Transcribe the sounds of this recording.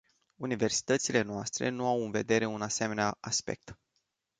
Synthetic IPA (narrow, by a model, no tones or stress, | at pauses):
unive̞rsi̥t̪ət̪sile̞noast̪ɾe̞̰nuawɨnve̞d̪e̞ɾe̞unase̞me̞neaaspe̞̰k̚t̪